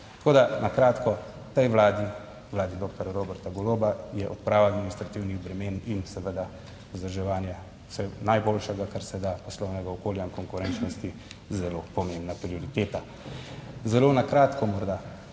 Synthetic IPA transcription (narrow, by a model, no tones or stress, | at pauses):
t̪ḁkoːd̪anakɾaːt̪kɔ | t̪ɛjʋlaːd̪i | wlaːd̪id̪oːk̚t̪ɔɾaɾoːbɛɾt̪aɡɔlobajɛʔɔt̪pɾaːwaad̪minist̪ɾat̪iwniɣbɾɛmeːninsɛʋəd̪a | ɔzd̪əɾʒɛʋaːnjḁ | sɛnajboːlʃɛɡakaɾsɛd̪apɔslɔwnɛɡaɔkoːljaiŋkɔŋkʊɾɛnt͡ʃnɔst̪izɛloːpɔmembnapɾioɾit̪eːt̪a | zɛloːnakɾaːt̪kɔmɔɾd̪a